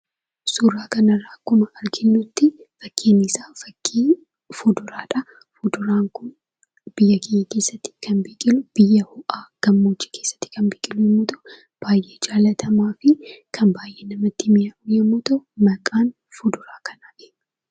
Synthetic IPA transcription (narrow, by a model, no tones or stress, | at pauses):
suːraːkɐnɐɾːaːkʊmɐʔɐɾɡɪnːʊt̪ːɪfɐkʰːeːnɪsaːɐ | fʊd̪ʊɾaːᶑɐ | ʊd̪ʊɾaːŋkʊn | b̥ɪjːɐkʼɪjekeːsːɐt̪ːɪ̥kɐnbiːkʼɪlʊb̥ɪjːɐhʊʔaːɡ̥ɐmːoːt͡ʃːi̥ke̞ːsːɐ̥t̪ːɪ̥kɐnbiːkʼɪlʊjɛmːʊt̪ɔ | b̥aːjʔe̞ːd͡ʒaːlɐt̪ʰɐmaːfɪkʰɐnbaːjʔeːnɐmɐt̪ːɪmɪjɐʔʊjɛmːʊt̪ɐmɐkʼaːn | fʊd̪ʊɾaːkɐnaːʔeːnːɐ